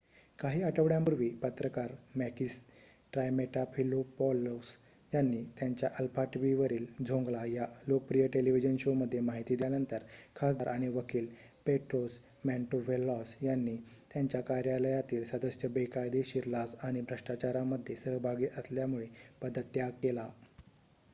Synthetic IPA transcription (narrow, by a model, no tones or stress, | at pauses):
kaɦiːəʈəʋɽjãmuɾʋiːpət̪ɾəkaɾmækis | ʈɾajmeʈapʰilopɔlos | janːiːt̪jaɲt͡ɕjaʔəlpaʈʋiʋəɾiːld͡zʱõŋɡlajalok̚pɾijəʈeliʋ̤id͡ʑənɕoməd̪ʱːjemaɦit̪iːd̪ianənt̪əɾkʰasd̪aɾʔaɽ̃iʋəkʰiːl | peʈɾos | mæɳʈoʋelːɔsjanːiːt̪jaɲt͡ɕjakaɾjaləjat̪iːlsəd̪əsjəbekajd̪eɕiːɾlasaɽ̃ibʱɾəʂʈat͡ɕaɾaməd̪ʱːjesəɦbʱaɡiːʔəsljamuɭepəd̪ət̪ːjakela